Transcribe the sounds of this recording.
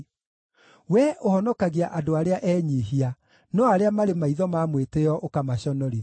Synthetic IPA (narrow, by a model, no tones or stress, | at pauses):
wɛʔohɔnɔkaɣiaʔadoaɾeaʔɛɲiɦia | nɔaɾeamaɾemaiðɔmamweteɔʔokamaɕɔnɔɾi